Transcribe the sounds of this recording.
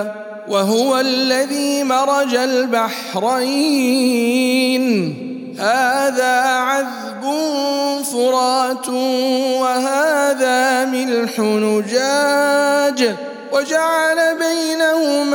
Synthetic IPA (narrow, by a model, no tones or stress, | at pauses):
waɦʊwalːaðiːmɑɾˤɑd͡ʒalbaħ | ɾˤaj | n | haːðaːʕað | bʊnfʊɾˤɑːt̪ʊwahaːðaːmɪlħʊnʊd͡ʒaːd͡ʒ | wad͡ʒaʕalabajnahʊm